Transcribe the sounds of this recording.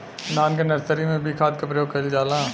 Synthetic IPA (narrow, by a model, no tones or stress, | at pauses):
naːnk̬enɐɾsəɾimẽbʱikʰaːd̪̚kɐpɾɐjoːɡ̚kɐld͡ʒaːlãː